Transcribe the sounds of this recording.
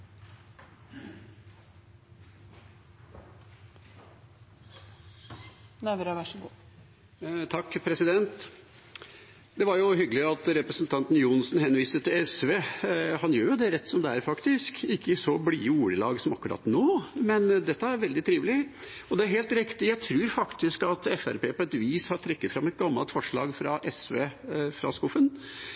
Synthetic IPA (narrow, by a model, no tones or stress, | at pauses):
næʋɾɑʋæʂəɡṵː | t̪ʰɑkːpʰɾɛsɪd̪ɛnt̪ | d̪ɛʋɑɾjʊɦʏɡəlɪɑt̪ɾɛpɾəsnt̪ʰɑnt̪n̩jʊnsnhɛnʋiːsət̪ɪlɛsʋeːhɑnjøːɾjʊd̪ɛɾɛt̪ːsɔmd̪ɛæɾfɑkt̪ɪskɪkːəɪsɔblḭːuːɾəlɑ̰ːɡsɔmɑkːʉɾɑ̰ːt̪noːmɛnd̪ɛt̪ːəæɾʋɛld̪ɪt̪ʰɾiːʋəlɪɔd̪ɛæɾɦheːlt̪ɾɪkt̪ɪjæɪt̪ʰɾʉːɾfɑkt̪ɪskɑt̪ɛfæ̰ɾpeːpɔɛt̪ʋiːshɑɾt̪ʰɾɛkːət̪fɾɑmɛt̪̚ɡɑmːɑlt̪fɔʂɭɑ̰ːɡfɾɑʔɛsʋeːfɾɑ̰skʊfən